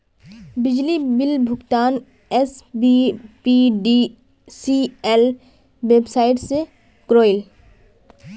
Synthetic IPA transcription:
bɪd͡ʒlibɪlbʱʊɡt̪aːn | ɛsbipiɖi | siɛl | ʋeːbsaːɪʈse | kɾoːɪl

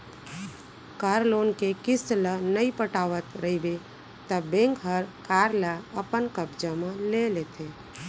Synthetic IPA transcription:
kaːɾloːnkekɪslənəipəʈaːʋət̪ɾəɦibe | t̪əbẽŋkɦəɾkaːɾlaəpənkəbd͡ʒəmẽlelet̪ʰe

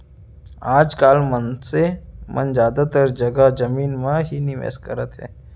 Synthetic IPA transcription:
aːd͡ʒkaːlmənsemʔə̰nzjaːd̪at̪əɾd͡ʒəɡad͡ʒəmiːnmãɦiniʋḛːskəɾət̪ɦɛ̰ː

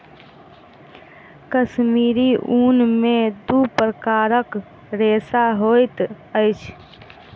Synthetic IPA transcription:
kəʃmiːɾiʔuːnmẽd̪upɾəkaːɾək | ɾeːsaɦojt̪ | əɪt͡ʃʰ

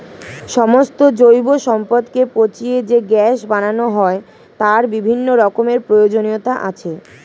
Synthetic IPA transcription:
ʃɔmost̪od͡ʑojboʃɔmpod̪kepot͡ɕied͡ʑeɡɛʃbananoɦɔe | t̪aɾbibʱinːoɾɔkomeɾpɾojod͡ʑoniot̪aʔa̰t͡ɕʰe

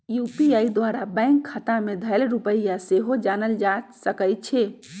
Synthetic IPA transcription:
jupiaid̪waɾabɛ̃ŋkʰːəʈ̪amed̪ʱəlɾupəjjaseɦod͡ʒanəld͡ʒasəkəj̪̚t͡ʃʰe

